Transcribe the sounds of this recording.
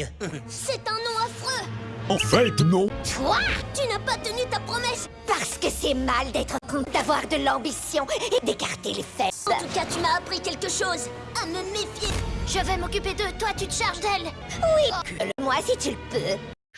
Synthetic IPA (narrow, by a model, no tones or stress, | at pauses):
sɛt̪ɛ̃nɔ̃afχøɑ̃fɛt̪nɔ̃t̪wat̪ynapat̪ənyt̪apχɔmɛs | paʁsə̥kəsɛmald̪ɛt̪χəkɔ̃d̪avwaʁd̪əlɑ̃bisjɔ̃ed̪ekaʁt̪elefɛtɑ̃t̪ukat̪ymaːpχikʲɛlkəʃoz | aməmefjeʒəvɛmɔkʲyped̪ət̪wat̪yt̪ə̥ʃaʁʒd̪ɛl | wikələmwasit̪yləpø